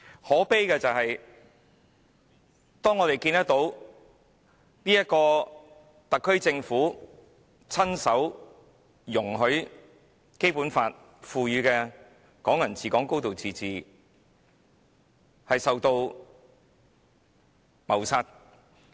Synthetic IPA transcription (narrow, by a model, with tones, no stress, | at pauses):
hɔː˨˥pe˥jkɛː˧t͡sɐ˨whɐ˨j | t̪ɔː˥ŋɔː˨˧t̪e˨˩jkiː˧nt̪ɐ˥t̪o˨˥w | niː˥jɐ˥t̚kɔː˧ | t̪ɐ˨kʰːɵ˥ɥt͡sɪ˧ŋfuː˨˥ | t͡sʰɐ˥nsɐ˨˥w | jʊ˨˩ŋɦɵ˨˥ɥ | ke˥jpuː˨˥nfaː˧t̚ | fuː˨˧jyː˨˧kɛː˧ | kɔː˨˥ŋjɐ˨˩nt͡sʰiː˨kɔː˨˥ŋko˥wt̪o˨wt͡siː˧t͡siː˨ | hɐ˨jsɐ˨wt̪o˧w | mɐ˨˩wsaː˧t̚